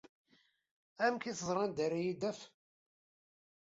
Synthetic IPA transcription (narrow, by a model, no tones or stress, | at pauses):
æmkiθəzˤɾˤɑnd̪æɾajid̪æf